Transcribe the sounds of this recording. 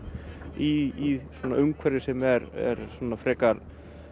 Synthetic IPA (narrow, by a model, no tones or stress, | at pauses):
iiswɔːnaʔʏmkʰvɛɾɪsɛmɛɾɛ̰ɾsɔnːafɾɛːkaɾ